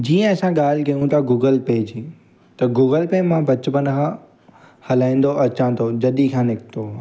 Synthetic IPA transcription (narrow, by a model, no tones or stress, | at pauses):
d͡ʑiːə̃ɐsãɠaːl̤kɐjũt̪ʰaɡuːɡəlpeːd͡ʑi | t̪ɐɡuːɡəlpeːmãbɐt͡ɕʊpənɦã | hɐlaːĩn̆d̪oɐt͡ɕãːt̪ʰod͡ʑɐɗikʰãːnɪkʰt̪ʰoː